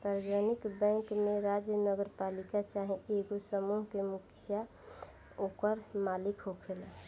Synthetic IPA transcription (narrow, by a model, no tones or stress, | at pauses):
saɾɡənɪkbɛ̃ːŋkmẽɾaːd͡ʒjənəɡəɾpaːlikat͡ʃaɦẽeɡosəmuɦkemʊkʰja | oːkəɾmaːlɪkɦokʰela